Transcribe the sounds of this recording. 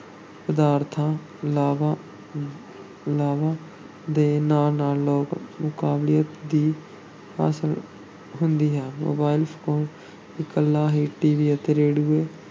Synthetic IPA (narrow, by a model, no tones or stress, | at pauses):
pəd̪aːɾt̪ʰãː | laːʋa | laːʋãː | d̪eːnaːlnaːlːoːkmʊkaːbliːət̪d̪iː | ha̰ːsəl | ɦʊnd̪iːɦɛ̃ːmo̰ːbaːɪlpʰoːn | ɪkəlːaːɦiːʈiːʋiːət̪eːɾeːɖuːeː